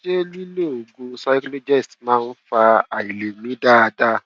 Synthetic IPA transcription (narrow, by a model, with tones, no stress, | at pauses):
d͡ʒe˦li˦le˦˨o˨ɡo˧sa˦jklo˦d͡ʒɛ˦˨stmãː˦˧n̩˦fa˧a˨i˨le˨nĩ˨˦da˦a˧da˦